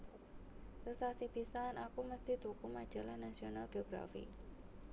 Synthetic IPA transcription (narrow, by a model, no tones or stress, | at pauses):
səsasipisanakuməst̪it̪ukumad̥ʒ̥a̤lahnasionalɡeoɡ̥ɾa̰fḭ